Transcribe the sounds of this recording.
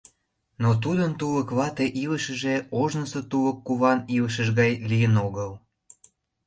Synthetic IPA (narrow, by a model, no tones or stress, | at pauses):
not̪̬ud̪ənt̪uləkβɑt̪eʔiləʃə̆ʒeoʒnəsot̪uβə̆kːuβɑniləʃ̬əʒɣɑjlijənoɣəl